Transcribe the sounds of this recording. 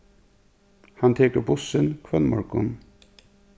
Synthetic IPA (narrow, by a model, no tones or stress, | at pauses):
hant̪ʰeːkəɾbʊsənkʰʋœlmɔ̰ɹkʊn